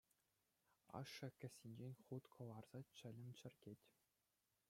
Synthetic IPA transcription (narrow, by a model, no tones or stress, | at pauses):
ɑ̰ʂːɘ̆kʲɘ̆sʲːinʲd͡ʑenʲχut̪kʰɤ̆lˠɑrz̥ɑt͡ɕɘ̆lʲɘ̆mʲt͡ɕɘ̆rʲɡʲetʲ